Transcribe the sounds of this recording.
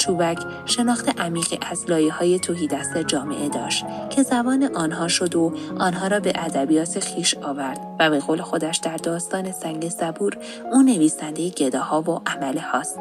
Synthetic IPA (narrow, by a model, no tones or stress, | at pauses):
t͡ʃʰuːbæcʰ | ʃe̞nɒːxt̪ʰe̞ʔæmiːɣiʔæzlɒːjehɒːje̞t̪ʰoɦiːd̪æst̪ed͡ʒɒːme̞̰ʔe̞d̪ɒːʃt̪cʰe̞zæbɒːneʔɒːnɦɒːʃo̞d̪oɒːnɦɒːɾɒːbe̞ʔæd̪æbijɒːt̪ʰexiːʃɒːvæɾd̪̥væbe̞ɣoːle̞xo̞d̪æʃd̪æɾd̪ɒːst̪ɒːne̞sæŋɡesæbuːɾ | uːne̞viːsænd̪ejeɟe̞d̪ɒːhɒːvoʔæmælehɒːst̪